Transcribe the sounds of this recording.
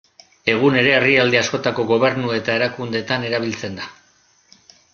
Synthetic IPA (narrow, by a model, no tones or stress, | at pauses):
e̞ɣ̞une̞ɾe̞ːriald̪easko̞t̪ako̞ɣo̞β̞e̞ɾnue̞t̪ae̞ɾakund̪e̞t̪ane̞ɾaβ̞ilt͡se̞nd̪a